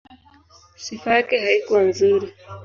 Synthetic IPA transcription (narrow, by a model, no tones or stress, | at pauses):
sifajakɛhaikuwanzuɾi